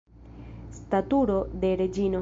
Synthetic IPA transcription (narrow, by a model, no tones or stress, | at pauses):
st̪at̪uɾod̪eɾed͡ʒino